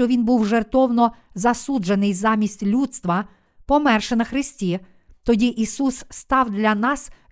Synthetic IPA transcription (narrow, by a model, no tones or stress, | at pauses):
ɔʋʲinbuwʒert̪ɔwnɔ | zɐsud͡ʒenɪjzɑmʲisʲtʲlʲut̪st̪ʋɐ | pɔmɛrʃenɐxɾɪsʲtʲi | t̪ɔdʲiʔisusːt̪ɑwd̪lʲɐnɑs